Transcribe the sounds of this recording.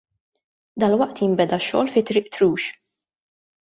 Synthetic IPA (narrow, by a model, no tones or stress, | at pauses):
d̪ɐlwɐʔt̪jɪmbɛd̪ɐʃːɔ̰ːlfɪt̪ɾɪːʔt̪ɾuːʃ